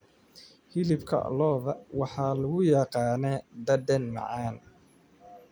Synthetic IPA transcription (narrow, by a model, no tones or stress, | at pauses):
hɪlɪbkʰɐ̰lɔːðɐwɑħɑːlʊɣʊjɑqɑːnɛːd̪ɐd̪ɛnmɑ̰ʕɑːn